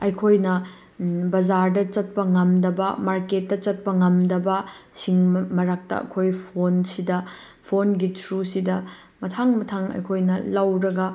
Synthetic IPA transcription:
ɐjkʰojnɐ | bɐd͡ʒaɾdɐt͡ʃɐt̚pɐŋɐmdɐbɐmaɾket̚ːɐt͡ʃɐt̚pɐŋɐmdɐbɐsiŋmɐɾak̚tɐ̰ɐ̰kʰojpʰonsidɐ | pʰonɡitʰɾusidɐ | mɐtʰaŋmɐtʰaŋɐ̰jkʰojnɐlɐwɾɐɡɐ

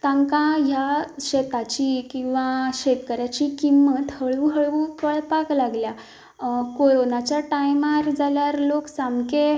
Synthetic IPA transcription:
t̪ãŋkãɦjaɕet̪at͡ɕikĩw̃ʋaɕet̪kəɾjat͡ɕikimːət̪həɭʋuɦəɭʋukəɭpaklaɡlja | koɭonat͡ɕjaʈajmaɾd͡zaljaɾloksamke

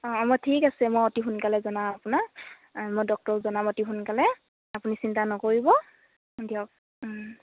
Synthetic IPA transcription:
ɔ̃mɔtʰikasɛmojotiɦunkalɛzɔnaapuna | mojdɔk̚tɔɹzɔnamɔtiɦunkalɛ | apunisintanɔkoɹibɔ | diɔk̚

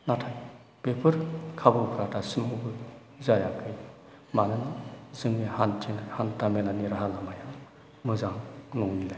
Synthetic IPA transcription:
natʰaj | b̥epʰɯɾkʰabɯpʰɾatʰasɯmɯbɯ | zajakʰɯj | manɯnzɯŋihantʰinahantamenaniɾaɦalamaja | mɯzaŋnɔŋnilaj

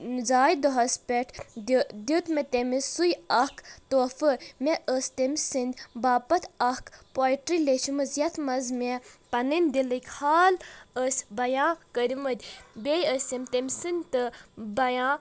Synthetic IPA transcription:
zaːjd̪ɔɦɐspʲeʈʰd̪d̪ʲut̪met̪emisujɐkt̪oːfɨmʲɛʔəsʲt̪emʲsɨnd̪ʲbaːpɐt̪ʰɐhkpoːjʈɾileʃumɨzjɐt̪ʰmɐzmʲepɐnɨnʲd̪ilɨkʲhaːləsʲbɐjãːkəɾʲimɐd̪ʲbejəsʲemʲt̪emʲsɨnʲd̪ʲt̪ɨbɐjãː

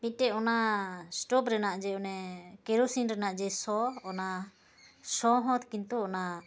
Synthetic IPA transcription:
piʈɛʔɔnasʈɔpɾɛnaʔd͡ʒɛɔnɛkɛɾosinɾɛnaʔd͡ʒɛsɔɔna | sɔɦɔ̃t̪kint̪ɔɔna

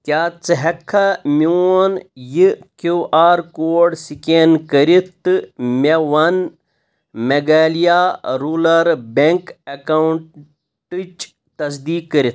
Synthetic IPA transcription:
kʲjaːt͡sɨɦɐkʰːɐmunjikuʔaːɾkoːɖsikenkɐɾit̪ːɨmeʋwɐn | meɡaːlijaɾuːlɐɾbeŋkɐkaɳʈ | ʈɨt͡ʃ | t̪ɐs̬d̪iːkːɐɾit̪

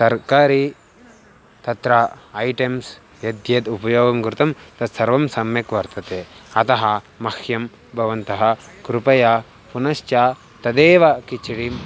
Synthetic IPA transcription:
sɐɾkaːɾi | t̪ɐt̪ɾɐːjʈems | jɐd̪jet̪upɐjoːɡɐmɡuɾt̪ɐmt̪ɐt̪sɐɾʋɐmsɐmjɐkʋɐɾt̪ɐt̪eːɐt̪ɐɦɐ | mɐkʰjɐm | bʱɐʋɐnt̪ɐɦɐkɾupɐjaː | punɐʃt͡ʃaː | t̪ɐd̪eːʋɐkit͡ʃiɽim

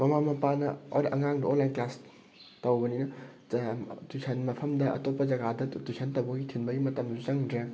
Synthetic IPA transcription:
mɐmamɐpanɐo̰ɐŋaŋdɐonlajnklas | tɐwbɐninɐ | dusʰɐnmɐpʰɐmdɐɐ̰topːɐd͡ʒɐɡadɐtusʰɐntɐwbɐɡitʰinbɐɡimɐtɐmsuzɐŋdɾe

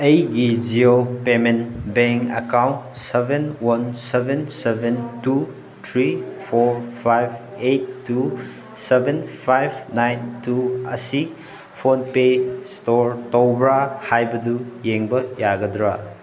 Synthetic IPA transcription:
ejɡid͡ʒiopemenbeŋkɐ̰kawntsebʱenwɐnsebʱensebʱentu | tʰɾipʰoɾpʰajbʰ | ejtːu | sebenpʰajbnajntuɐsi | pʰonpestoɾtowbɾahajbɐdujeŋbɐjaɡɐdɾa

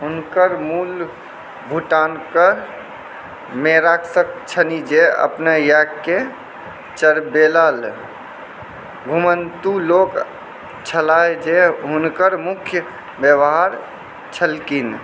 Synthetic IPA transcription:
ɦʊnkəɾmuːl | bʱuʈaːnkəɾ | meɾaksək̚t͡ʃʰənid͡ʒeə̰pnajakke | t͡ʃəɾbelaːl | ɡʱumənt̪uloːk | t͡ʃʰəlaed͡ʒeɦʊnkəɾmʊkʰjə | bjəʋɦaɾ | t͡ʃʰəlkin

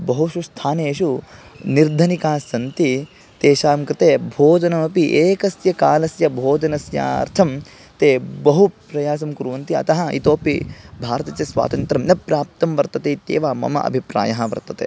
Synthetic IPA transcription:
bɐɦuʃust̪ʰaːneːʃuniɾd̪ʱɐnikaːsɐnt̪i | t̪eːʃaːmkɾɪt̪eːbʱoːd͡ʒɐnɐmɐpiʔeːkɐsjɐkaːlɐsjɐbʱoːd͡ʒɐnɐsja̰ːɐ̰ɾt̪ʰɐm | t̪eːbɐɦupɾɐjaːs̬ɐmkuɾuːʋɐnt̪iɐ̰t̪ɐɦɐḭt̪oːpibʱaːɾɐt̪ɐt͡ʃesʋa̰ːt̪ɐnt̪ɾɐmnɐpɾaːp̚t̪ɐmʋɐɾt̪ɐt̪eːt̪ḛːʋaːmɐ̰mɐ̰ʔɐ̰bʱipɾa̰ːjɐɦɐʋɐ̰ɾt̪ɐt̪ḛː

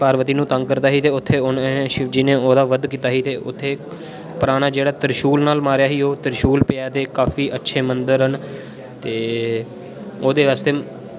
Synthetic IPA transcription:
paːɾʋət̪iːnũːt̪əŋɡkəɾd̪aːɦiːt̪eːʊt̪ʰːeːʊnːʃɪʋd͡ʒiːneːoːd̪aːʋəd̪kiːt̪aːɦiːt̪eːʔʊ̰t̪ʰːeː | pəɾaːɽ̃aːd͡ʒeːɽaːt̪əɾʃuːlnaːlmaːɾjaːɦiːoːt̪əɾʃuːlpeaːt̪eːkaːfiːʔətːʃʰeːmənd̪əɾɦən | t̪eː | oːd̪eːʋaːst̪eː

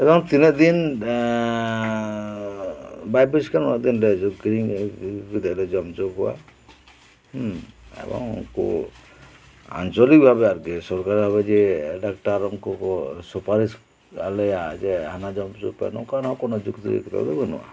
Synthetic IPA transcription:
ebɔŋt̪ined̪in | bajbiskanad̪inɾed͡ʒɡɾiŋɡid̪eled͡ʒɔmd͡ʒokɦua̰ | ḛbɔ̰ŋṵŋkṵ | a̰nt͡ʃɔlik̚bʱabeaɾɡesɔɾkaɾibʱaβed͡ʒeɖakʈaɾɔŋkɔkɔsupaɾis | a̰lejad͡ʒeɦanad͡ʒɔmd͡ʒo̰pa̰nɔ̰kanɔ̃kɔnɔd͡ʒukt̪uɾḛkt̪a̰d̪ebenṵa̰

